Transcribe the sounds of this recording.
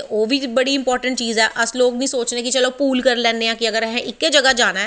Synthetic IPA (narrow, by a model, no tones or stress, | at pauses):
oːbʱibɐɽiɪ̃mpɔːɾʈə̃ɳʈ̚t͡ʃiːzɛːʔəsloːɡnəĩsoːt͡ʃnekit͡ʃɐlopuːlkəɾlɛ̃ːndeãːkiɐɡəɾɦɛ̃ʔɪkːed͡ʒɐɡad͡ʒaːnaː